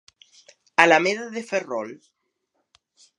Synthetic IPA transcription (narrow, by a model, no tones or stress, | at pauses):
alameðaðefero̰l